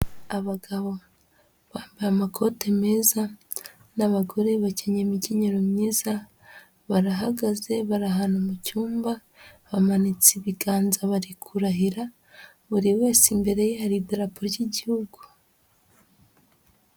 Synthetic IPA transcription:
aβaɡaβo̞ | βaːmbiɾamakʰo̞te̞me̞ːza | naβaɡo̞ɾe̞βaceɲemiɟeɲeɾomɲiːza | βaɾaɦaɡaze̞βaɾaɦanomucuːmba | βamanit͡siβiɡaːnzaβaɾikʰuɾaɦiɾa | βuɾiwe̞ːsimbe̞ɾe̞jehaɾidaɾapʰoɾɟiɟihuɡu̥

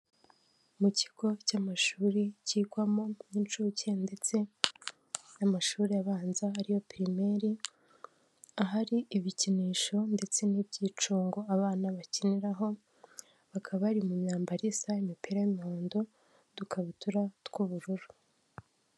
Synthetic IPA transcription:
muci̥ɡ̥o̞camaʃuːɾiciːɡwamo̞int͡ʃuːcende̞t͡se̞ | namaʃuːɾijaβaːnzaaɾiho̞piɾime̞ɾi | aɦaɾiiβiciniːʃo̞nde̞t͡se̞nibɟiːt͡ʃuːŋɡo̞aβaːnaβaciniɾaɦo̞ | βakʰaβaɾimumɲaːmbaɾisaimipiɾajimoːndo̞ | dukʰaβituɾatkuβuɾuɾu

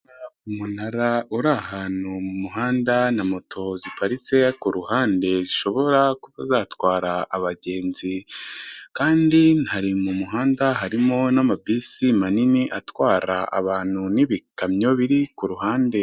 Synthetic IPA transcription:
aumunaɾauɾahaːnumumuɦaːndanamo̞tʰo̞zipaɾit͡se̞kuɾuɦaːnde̞ziʃo̞βo̞ɾakuβazaːtwaːɾaːβaɟe̞ːnzi | kaːndinhaɾimumuɦaːndaɦaɾimonamabisimaniniʔatwaːɾa̰ʔa̰βaːn̥huniβikamɲo̞βiɾikuɾuɦaːnde

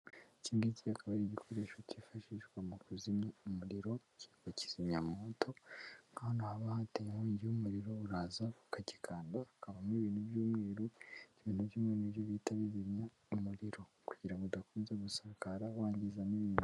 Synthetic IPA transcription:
ciːmɡiciakʰaβaɾiɟikʰoɾeːʃwocifaʃiʒɡwamukuzimaumuɾiɾo̞ciɡwaci̥z̥iɲamotʰo̞ŋɡahonahaβahatejemuːɲɟiumuɾiɾoβuɾazaβu̥kaɟikʰaːndaːkaβamiβiːnhubjuːmŋeːɾuiβiːnuβjimŋenijoβitaβiβimɲa | umuɾiɾo̞ | kuɟ̥iɾamɡodakuːnzemusakaɾawaːɲɟizaniβiː

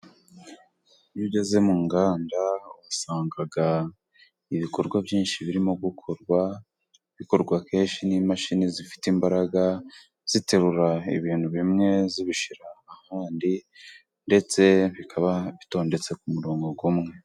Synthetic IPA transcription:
niɟeze̞muːŋɡaːndaasaːŋɡaɡa | iβiko̞ɾɡwavjiːnʃiβiɾimo̞ɡukʰo̞ɾɡwa | βiko̞ɾɡwake̞ːnʃinimaʃinizifi̥timbaɾaɡa | z̥ite̞ɾuɾaḭβiːn̥huβimŋe̞ziβiʃiɾaːhaːndi | nde̞t͡se̞βikʰaβaβito̞ːnde̞t͡se̞kumuɾo̞ːŋɡo̞ɡumŋe̞

